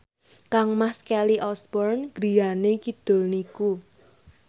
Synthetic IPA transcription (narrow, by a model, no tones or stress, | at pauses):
kaŋmahskɛliʔɔsbɔrnɡ̥ɾi̤janekid̪̥o̤lniku